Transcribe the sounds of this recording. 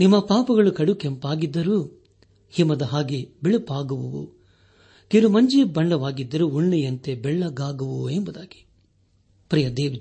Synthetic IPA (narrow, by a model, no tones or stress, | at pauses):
nimːɐpaːpɐɡɐɭukɐɽukempaːɡid̪ːɐɾu | himɐd̪ɐɦaːɡibiɭupaːɡɐʋuʋṵ | kiɾumɐɲd͡ʒibɐɳlɐʋaːɡid̪ːɐɾuuɳːijɐnt̪ebɛɭːɐɡaːɡɐʋuembud̪aːɡi̥ | pɾijɐd̪eːʋid̪